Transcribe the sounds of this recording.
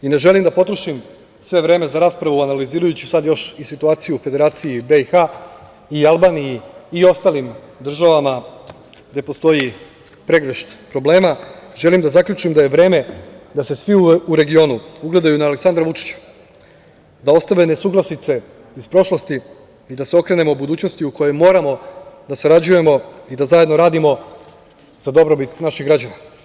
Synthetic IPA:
ine̞ʒe̞limd̪apo̞t̪ɾoʃim | sʋe̞ʋɾe̞ːme̞zaɾaːspɾaʋuanaliziːɾajut͡ɕusad̪jo̞ʃisit̪uaːt̪sijuːfe̞d̪e̞ɾaːt̪sijibe̞ixa | ialˠbaːnijiːo̞st̪aːlimd̪r̩ʒaʋama | ɡd̪e̞post̪o̞ji | pɾe̞ɡɾeʃt̪pɾo̞ble̞ːmaʒe̞limd̪azakʎʲut͡ʃimd̪aje̞ʋɾe̞ːme̞d̪ase̞sʋiuuɾe̞ɡio̞nuuɡle̞d̪ajunaːle̞ksand̪ɾaʋut͡ʃi̥t͡ɕḁ | d̪ao̞st̪aʋe̞nesuːɡlˠasnit̪se̞ | ispɾo̞ʃlost̪i | id̪aseo̞kɾe̞ne̞mobud̪uːt͡ɕno̞st̪iuko̞je̞mo̞ːɾamo̞d̪asaɾad͡ʑuje̞mo̞id̪azaje̞d̪no̞ɾaːd̪imo̞ | z̥ad̪o̞bɾo̞bit̪naʃiɣɡɾad͡ʑana

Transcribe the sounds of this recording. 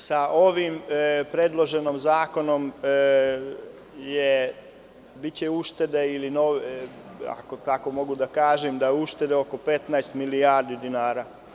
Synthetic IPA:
saʔo̞ʋimpɾed̪lˠo̞ʒe̞nomzaːko̞no̞m | je | bit͡ɕeuʃt̪e̞d̪eilinoʋ | a̰kot̪ako̞mo̞ɡud̪akaːʒemd̪ajuʃt̪e̞d̪eo̞ko̞pe̞t̪naest̪milijaːɾd̪id̪inaːɾa

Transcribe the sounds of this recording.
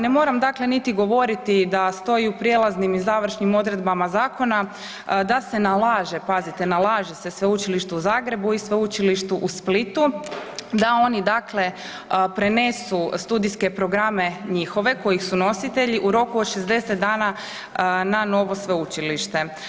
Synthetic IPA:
ne̞mo̞ːɾamd̪akle̞nit̪iɡo̞ʋo̞ɾit̪id̪ast̪o̞jiupɾje̞lˠaznimizaʋɾ̩ʃnimo̞d̪ɾe̞d̪bamazaːko̞na | d̪ase̞nalaːʒe̞pazit̪enalˠaːʒese̞sʋe̞ut͡ʃiliʃt̪uuzaːɡɾe̞buisʋeut͡ʃiliʃt̪uʔusplit̪u | d̪ao̞nid̪akle̞ | pɾe̞ne̞sust̪ud̪iske̞pɾo̞ɡɾame̞ɲixo̞ʋe̞ko̞jixsuno̞sit̪e̞ʎiʔuɾo̞kuod̪ʃe̞zd̪e̞set̪̚d̪aːna | nano̞ʋosʋe̞ut͡ʃiliʃt̪e̞

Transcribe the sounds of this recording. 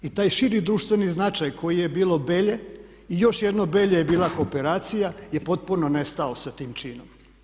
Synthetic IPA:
it̪aːjʃiɾid̪ɾuːʃt̪ʋe̞niznat͡ʃajkʰo̞jijebiːlˠo̞be̞ːʎe̞ | ijo̞ʃjed̪nobe̞ʎejebiːlˠako̞ːpe̞ɾaːt̪sijajepo̞t̪̚puno̞nest̪aosat̪iːmt͡ʃiːnom

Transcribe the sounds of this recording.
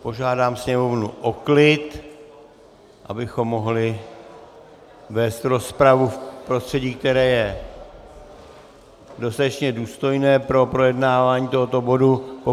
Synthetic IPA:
po̞ʒaːdaːmsɲɛmo̞vnuʔo̞klɪt̪ | ʔa̰bɪxo̞mːo̞ɦlɪ | vɛːst̪ɾo̞spɾavufpɾo̞st̪r̝̥ɛɟiːk̚t̪ɛɾɛːjɛ | dost̪at̪ɛt͡ʃɲɛduːst̪o̞jnɛːpɾo̞pɾo̞jɛdnaːvaːɲiːt̪oɦot̪o̞bo̞dupo

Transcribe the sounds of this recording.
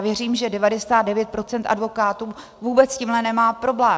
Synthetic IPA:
vjɛr̝iːmʒɛdɛvadɛsaːd̪dɛvjɛt̪̚pɾo̞t͡sɛnt̪ʔa̰dvo̞kaːt̪uː | vuːbɛt͡sciːmlɛnɛmaːpɾo̞blɛː

